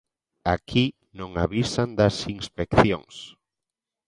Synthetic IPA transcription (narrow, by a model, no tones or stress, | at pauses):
akʰi | nõŋaβisand̪ɐsiŋspekθjo̰ŋs